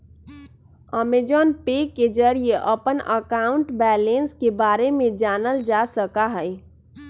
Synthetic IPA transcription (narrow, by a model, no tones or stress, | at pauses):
ɔmed͡ʒɔːnpeːkːed͡ʒəɾieʔəpənəkaːʊ̃ɳʈbɛːlenskebaːɾemẽd͡ʒaːnəld͡ʒasəkaɦɛj